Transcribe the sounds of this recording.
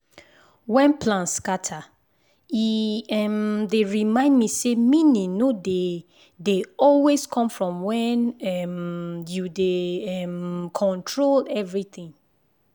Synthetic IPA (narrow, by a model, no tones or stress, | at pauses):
wɛ̃npʰlãnskatʰa | iɛmdeɹimãɪ̃ndmisemĩnĩnode | deɔlweskʰɔ̃mfɹɔ̃mwɛ̃nɛmjudeɛmkʰɔ̃ntʰɹolɛvɹiθĩŋ